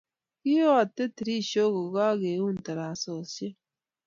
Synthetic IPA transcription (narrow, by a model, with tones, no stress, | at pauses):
ki˦o˦a˨t̪ːe˦t̪i˨ɾi˦ʃo˦ko˨ɣa˦ɣe˨u˦n˨t̪a˨ɾa˨soː˨se˦